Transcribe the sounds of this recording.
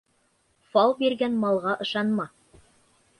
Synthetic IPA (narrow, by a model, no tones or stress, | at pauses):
fɑlw̪ˠbiɾɡænmɑlˠʁɑʔɤ̆ʃɑnmɑ